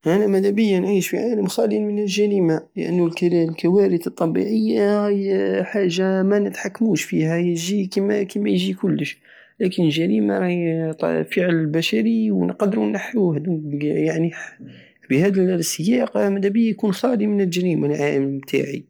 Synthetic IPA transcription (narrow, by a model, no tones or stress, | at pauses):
ʔænæmæd̪æbəjːanʕiʃfiʕaləmxɑlinmənlʒæɾimalə̰ʔə̰nːulklkæwæɾət̪ət̪ˤːɑbḭʕəjːa | ħaʒːamænət̪ħakːmuʃfihæjəʒikimækimæjʒikʊlːəʃ | lækənəlʒæɾimaɾˤɑt̪ˤfəʕləlbæʃæɾiwnqd̪ɾunːaħːuhd̪ukjaʕni | bihæd̪əlsːəjɑqmæd̪æbəjːajkunxɑlimənəlʒæɾimalʕaləmmt̪ʰa̰ʕḭ